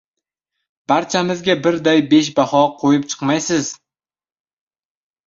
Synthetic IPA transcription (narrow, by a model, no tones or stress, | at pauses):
b̥aɾt͡ʃʰamɪzɡʲabɪɾd̪ajbe̞ʃ̬bahɒqʰojɪp̚t͡ʃʰɨ̥qmajsɪz